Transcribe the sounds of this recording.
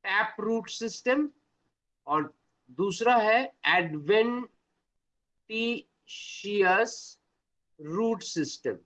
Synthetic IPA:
ʈɛːpɾuːʈsɪsʈəm | ɔːɾ | d̪uːsɾaɦɛɛːɖʋɛ̃ɳ | ʈiː | ʃiːəs | ɾuːʈsɪsʈə̰̃m

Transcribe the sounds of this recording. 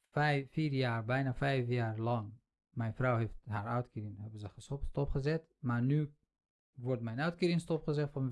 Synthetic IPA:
fiːrjaːrbɛjnafɛjfjaːrlɑŋ | mɛjnfrɔwɦejftɦaːɾœɥtkːɪnɦɛbənzəχəsɔpttɔpχəzɛt | maːrny | ʋɔrtmɛjnœɥtkəɾɪnstɔpχəzɛtfɑn

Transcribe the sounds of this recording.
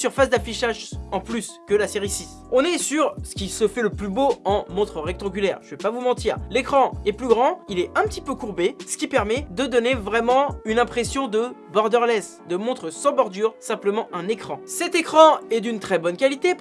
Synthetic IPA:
syʁfasd̪afiʃaʒɑ̃plyskʲəlaseʁisis | ɔ̃nɛsyʁsə̥kʲisəfɛləplyboɑ̃mɔ̃t̪χəʁɛk̚t̪ɑ̃ɡʲylɛːʁʒəvɛpavumɑ̃t̪iːʁlekχɑ̃ɛplyɡʁɑ̃ilɛɛ̃pət̪ipøkuʁbesə̥kʲipɛʁmɛd̪əd̪ɔnevʁɛmɑ̃ynɛ̃pχesjɔ̃d̪əbɔʁd̪œʁlɛs | d̪əmɔ̃t̪χəsɑ̃bɔʁd̪yʁsɛ̃pləmɑ̃ʔɛ̃nekχɑ̃sɛt̪ekχɑ̃ɛd̪ynt̪χɛbɔnkʲalit̪e

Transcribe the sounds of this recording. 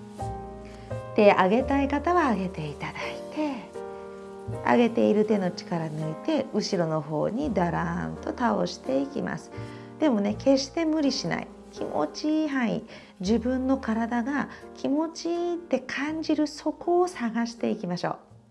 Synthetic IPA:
t̪e̞aɡe̞t̪aikat̪aβaːɡe̞t̪e̞it̪ad̪ait̪e̞ | a̰ɡe̞t̪e̞iɾɯ̟t̪e̞no̞t͡ɕi̥kaɾaɲoit̪e̞ɯ̟ɕiɾo̞no̞ɦo̞̰ːɲ̟id̪aɾãnt̪o̞t̪ao̞̰ɕi̥t̪e̞ikʲḭma̰sɨ̥ | d̪e̞mo̞ne̞ke̞ɕt̪e̞mɯ̟ɾʲiɕina̰ḭ | kʲʰḭmo̰t͡ɕiɦãḭ | d͡ʑibɯ̟̃nːo̞kaɾad̪aɡakʲʰimo̞t͡ɕit̪ːe̞kʰãɲd͡ʑiɾɯ̟so̞ko̞ːsaɡaɕi̥t̪e̞ikʲimaɕo̞̰ː

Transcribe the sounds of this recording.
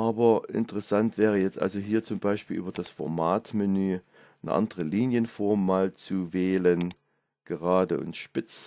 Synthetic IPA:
ʔaːbɐʔɪ̰ntəʁɛsantv̥ɛːʁ̞əjɛt͡stʔa̰lzoɦiːɐt͡sʊmbaɪʃpiːlʔyːbɐdasfɔɐmaːtmɪnyː | nə̰ʔa̰ndəʁəliːnjənfɔɐmmaːlt͡suvɛːlən | ɡ̥əʁaːdəʔʊ̰ntʃpɪt͡s

